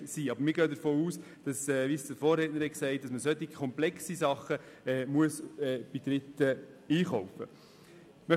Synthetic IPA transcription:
siːɑbəɾmɪːɾɡœːdəɾfoːuːs | d̥ɑsɛːvisdəɾfoːrɾɛːtnəɾhɛksɛɪt̚d̥ɑsməsœt̪ːi̥kʰɔmplɛksisɑχə | ɛːmuəsɛb̥ɪt̪ɾɪt̪ːə | iːχɔʊfə̰ | mœ

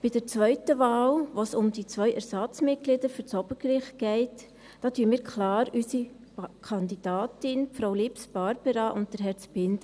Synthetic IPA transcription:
b̥idəɾt͡sʋœʏtəʋɑːlʋosʊmd̥it͡sʋœʏʔɛɾsɑt͡smɪt̚ɡ̥lɪdəɾfyɾt͡sɔbəɾɡɾɪχt̚ɡ̥ɛɪt | d̥ɑːtyəmiːɾkʰlɑːɾysi | kʰɑnd̪id̥ɑːtɪnfɾaʊlipsb̥ɑɾb̥əɾɑʔʊnt̚d̥əɾɦɛɾt͡sbɪndə

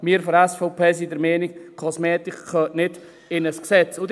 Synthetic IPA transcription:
miːəɾfɔɾɛsfɔʊpʰeːs̬idəɾmɛːnɪkkʰɔsmɛːt̪ɪkʰːœːtnɪd | ɪnəsksɛt͡sʊd

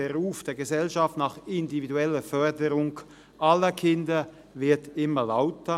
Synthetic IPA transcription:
eʁuːfd̥eːɐɡəzɛlʃaftnɑːχɪndividuɛləfœɐdəʁʊŋ | ʔalɐkʰɪndɐ | vɪɐtɪmɐlaʊtə

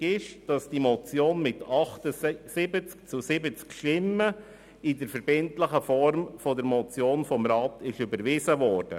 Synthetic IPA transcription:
ɪʃd̥ɑsd̥imɔt͡sjoːnmɪtʰɑχtəsɪbət͡skt͡susɪbət͡skʃtɪmːə | idəɾfəɾb̥ɪntləχəfɔɾmfɔdəɾmɔt͡sjoːnfɔmɾɑːtɪʃybəɾʋɪzəʋɔːrd̥ə̰

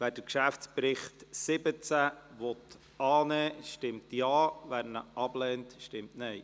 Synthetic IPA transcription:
ʋæːd̥əkʃæft͡spɾɪχtsɪbət͡sæʋɔt̪ | ʔɑːnɛːʃtɪmtjɑːʋæɾnəʔɑblɛːntʃtɪmtnɛj

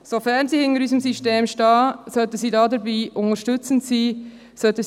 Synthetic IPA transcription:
sofæʁnsiːhɪnəɾyzəmsiʃteːmʃtɑːsœtəsiːdɑːdəɾbiːʔʊnəɾʃtʉt͡səntsiː | sœtə

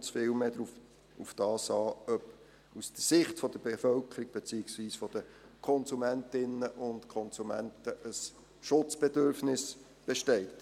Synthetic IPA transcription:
t͡sfɪlmeːdɾu | ufd̥ɑːsɑːœp | usd̥əsɪχtfɔd̥əb̥efœlkʰəɾiɡ̥̚b̥et͡siɪksʋiːsfɔd̥ə | kʰɔnsumæntɪnəʔʊntkʰɔnsumæntəʔəs | ʃʊt͡sb̥edøɾfnɪs | b̥eʃtɛɪt

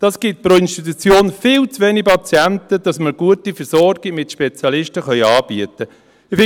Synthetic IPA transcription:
d̥ɑsɡ̥ɪt̚pɾoɪnʃtit̪ut͡sjoːnfɪːlt͡sʋeːnipɑt͡siæntəd̥ɑsməɾɡ̥uətifəɾsɔɾɡɪmɪtʃpɛt͡sjɑlɪʃtəχœʏɑːb̥iətə | fɪ

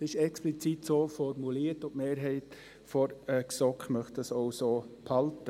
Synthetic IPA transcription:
ɪʃɛksplit͡sitsoːfɔrmuliərtʊpmeːɾɦɛɪt | fɔɾəksɔkχmœχt̚dɑsoʊsoːpʰɑltə

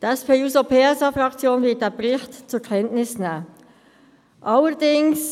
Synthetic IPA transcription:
d̥ɛspʰeːuzopʰeːɛsɑfʁɑkt͡sjoːnvɪɐt̚d̥eːbɾɪxtt͡sukʰɛntnɪsna | ʔɑləd̥ɪŋs

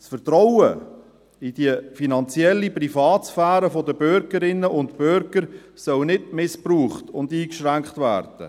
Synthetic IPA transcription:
sfəɾt̪ɾɔwə | id̥iəfinɑnt͡sjɛlːiprifɑːt̪sfæːɾəfɔdəbʏɾɡəɾɪnːəʔʊntpʏɾɡ̥əɾ | sœlnɪdmɪspɾuːχtʊnd̪iːkʃɾæŋkχtvæ̰ːɾd̥ə̰

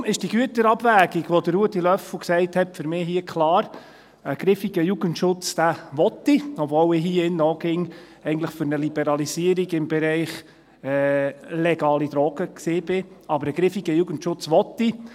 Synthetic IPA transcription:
mɪʃd̥iɡyətəɾɑbvæːɡiɡʋɔd̥̪əɾːuətːilœfuksɛɪthɛtfʏɾmɪːɦiəkʰlɑːɾ | əɡ̥ɾɪfiɡ̥əjuɡ̥əntʃʊt͡sd̥̪æʋɔt̪ːiɔbvɔːlɪɦiːɪnːɔːɡɪŋ | ɛɪɡən̩tləχfʏɾnəlib̥ɛɾɑlisiəɾiɡɪmbɛɾɛɪχ | ɛːlɛɡ̥ɑːlid̪ɾɔːɡ̥əksɪːb̥ɪɑbəɾəɡ̥ɾɪfiɡəjuɡəntʃʊt͡sʋɔtːi

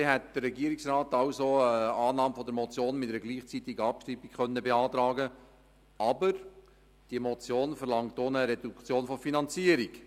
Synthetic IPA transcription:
eɦɛt̚d̪̥ərːɛɡiəɾiksrɑːtɑʊsoəɑːnɑːmfɔd̪əɾmɔt͡sjoːnmɪtɛɾəɡliːχt͡sit̪iɡəɑpʃtɾibikχœnːəbeɑːt̪ɾɑːɡə | ɑbəɾ | d̥iəmɔt͡sjoːnfəɾlɑŋt̪oːnəɾɛdukt͡sjoːnfɔfinɑnt͡siəɾik

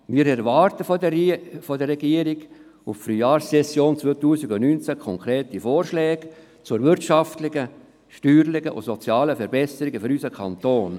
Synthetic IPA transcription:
miːɾɛɾʋɑːɾtəf | fɔdərːɛɡiːəɾiɡ | uffɾyːjɑːɾssɛsjoːnt͡sʋoːt̪uːsiɡʊnynt͡sækʰɔŋkʰɾeːtifoːɾʃlɛːɡ | t͡sʊɾvʏɾtʃɑft̪lɪɡə | ʃtyːɾlɪɡəʔʊ̰sɔt͡sjɑːləfɛɾbɛsəɾɪɡəfyɾysəkʰɑnt̪oːn

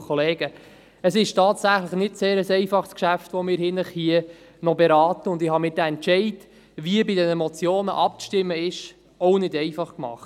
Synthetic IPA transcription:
kʰɔleːɡə | əsɪʃtʰɑːtsæχləχnɪtseːɾəsɛɪfɑχskʃæftʋɔmɪːɾhɪnəχhiə | nɔbɛɾɑːtəʊndɪhɑmɪːɾdæɛntt͡ʃɛɪt | ʋiəbɪdɛnəmɔt͡sjoːnə̰ʔɑp̚ʃtɪmːəɪʃ | ɔʊnɪdɛɪfɑχkmɑ̰χt

